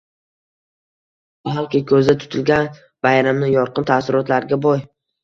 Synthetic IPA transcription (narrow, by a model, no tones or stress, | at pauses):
balˠqɪkʰʲɵzd̪at̪ʰʊ̥t̪ʰɪlɡʲan | bajɾamnɪjɒɾqʰɨnt̪ʰasɪɾɒt̪laɾɡʲabɒj